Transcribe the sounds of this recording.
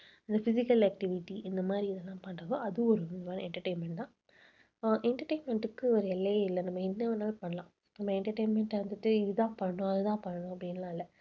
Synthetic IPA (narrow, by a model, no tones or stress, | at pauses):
ɪnd̪ɐfɪsɪkːɐlɐk̚ʈɪʋɪʈːiɪnd̪ɐmaːd̪ɾiɪðɛlːãːpɐɳɾɐðoːɐðɯɔɾɯʋɐnɯmaːnɛɳʈɐɾʈeːnmɛɳʈd̪ãː | ʔɛɳʈɐɾʈeːnmɛɳʈɯkːɯɔɾɯɛlːɐjɪlːɐnɐmːɐɪnːɐɔɾnaːlpɐɳːɐlãː | nɐmːɐɛɳʈɐʈeːnmɛɳʈɐɾɯnd̪ɯʈːɯɪðɯt̪ãːpɐɳɐnõɐðɯt̪ãːpɐɳːɐɳʊ̃ɐpːɐɽinlãːɪlːɐ